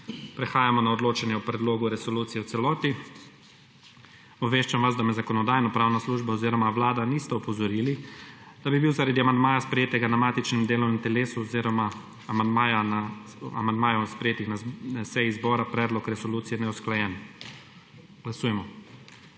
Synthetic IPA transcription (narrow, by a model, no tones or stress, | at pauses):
pɾɛxaːjamɔnaɔd̪loːt͡ʃɛnjɛwpɾɛd̪loːɡuɾɛsɔluːt̪sijɛw̪sɛlɔːt̪i | ɔbʋeʃt͡ʃamʋazd̪amɛzakɔnɔd̪aːjnɔpɾaːwnasluʒbaɔziːɾɔmaʋlaːd̪anist̪ɛɔpɔzɔɾilid̪̥abibiwzaɾad̪iamand̪maːjaspɾɛjeːt̪ɛɡanamaːt̪it͡ʃnimd̪eːlɔwnɛmt̪ɛleːsuɔziɾɔma | amand̪maːjanaa̰mand̪maːjɔspɾɛjeːt̪ixnasɛjizbɔːɾapɾɛːd̪lɔkɾɛsɔluːt̪sijɛnɛusklajɛːn | ɡ̥lasuːjɛmɔ